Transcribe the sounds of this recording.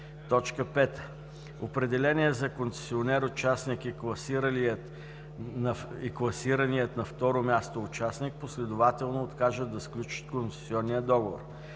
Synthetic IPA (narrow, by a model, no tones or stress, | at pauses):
t̪ɔt͡ʃkəpɛt̪ə | opɾɛd̪ɛlɛniɛzɐkonsɛ̥sʲionɛɾot͡ʃasnikiklˠɐsiɾəliət̪ | niklˠɐsiɾənijət̪nɐft̪ɔɾomʲast̪oːt͡ʃasnik̚poslɛd̪ʊvat̪ɛlˠnoːt̪kaʒəd̪ɐsklʲut͡ʃə̥t̪kont̪sɛ̥siɔnːijəd̪ɔɡovo̰r